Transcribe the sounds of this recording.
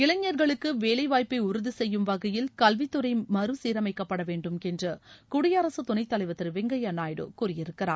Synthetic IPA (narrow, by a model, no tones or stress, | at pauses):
ɪlɐɲːɐɾɣɐɭɯkːɯʋeːlɐɪʋaːjpːɐɪʊɾɯðɯsɛjːɯmʋɐɣɐjɪlkɐlʋɪt̪ːɯɾɐɪmɐɾɯsiːɾɐmɐɪkːɐpːɐɽɐʋeːɳɖɯmɛndrɐkʊɽɪjɐːɾɐsɐt̪ʊnɐɪt̪ːɐlɐɪʋɐt̪ːɪɾʋɛŋɡɐjɐnaːjɽɯ̰kuːrɪjɪɾɯkːɪɾa̰ː